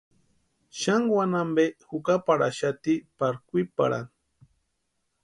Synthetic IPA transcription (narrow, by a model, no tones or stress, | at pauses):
ʃaŋwanambexukapaɾa̰ʃat̪ipaɾkʷipa̰ɾa̰n